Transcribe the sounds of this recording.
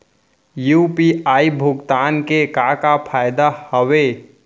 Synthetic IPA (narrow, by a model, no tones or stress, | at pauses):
juːpiaːibʱʊɡt̪aːnkekakapʰaːjd̪ahəwe